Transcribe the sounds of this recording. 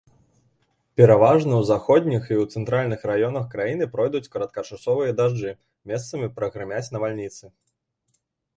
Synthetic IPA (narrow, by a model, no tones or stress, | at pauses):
pʲɛɾavaʐnɐwzaxɔd̪̚ʲnʲixiwt̪sɛnt̪ɾalʲnɨxɾajɔnɐxkɾajin̪ɨpɾɔjd̪ut͡sʲkɐɾɐt̪̚kɐt͡ʂasɔvɨjɐd̪aʐd͡ʐɨ | mʲɛst̪sɐmʲipɾɐɣɾɨmʲat͡sʲnɐvalʲnʲit̪sɨ